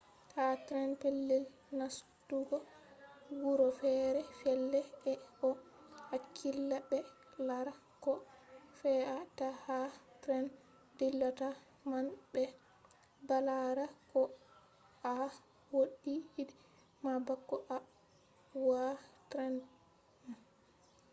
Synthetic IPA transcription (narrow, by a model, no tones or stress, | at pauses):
tʰatɾɛnpelːil | nastuɡɔ | wuɾɔfɛɾɛfɛlːɛɛɔhakʰːilːabɛ | laɾa | kɔfɛatahatɾɛn | dilːata | manbɛ | balaɾakɔ | a | woɗːiːdi | mabakːɔʔa | watɾɛn | ma